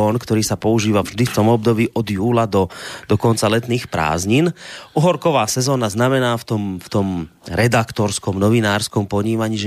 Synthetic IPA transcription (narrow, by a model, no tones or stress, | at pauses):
ɔːnkt̪ɔɾiːsapɔuʒiːʋavʒd̪ift̪ɔmɔb̚d̪ɔbiːʔɔd̪juːlad̪ɔd̪ɔkɔnt͡salɛt̪niːxpɾa̰ːzɲinʔuɦɔɾkɔʋaːsɛzɔːnaznamɛnaːft̪ɔmft̪ɔmɾɛd̪akt̪ɔɾskɔmnɔʋinaːɾskɔmpɔɲiːmaɲiːʒ